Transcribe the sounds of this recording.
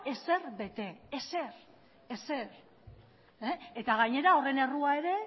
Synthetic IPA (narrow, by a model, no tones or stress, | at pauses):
e̞se̞rbe̞t̪e̞ese̞r | ese̞ɾ | eet̪aɣaɲe̞ɾao̞re̞ne̞ruae̞ɾe̞